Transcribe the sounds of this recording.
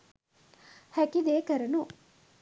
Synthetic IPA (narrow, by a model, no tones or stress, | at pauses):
hækid̪eːkəɾɐnu